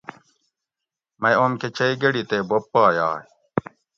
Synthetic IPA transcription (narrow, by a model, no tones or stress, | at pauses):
mɐjomket͡ɕɐiɡɐɽit̪eːbopːaːjaː